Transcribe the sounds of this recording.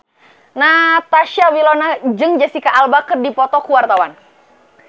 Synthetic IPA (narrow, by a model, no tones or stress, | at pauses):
nat̪aʃawilɔnad͡ʒəŋd͡ʒasikaʔalbakərdipɔt̪ɔkuwart̪awan